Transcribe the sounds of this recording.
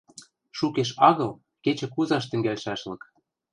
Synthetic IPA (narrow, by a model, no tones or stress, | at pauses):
ʃukeʃɑɣɤ̆l | ket͡ɕɘ̆kuzɑʃt̪ɘ̆ŋɡælʃæʃlɤ̆k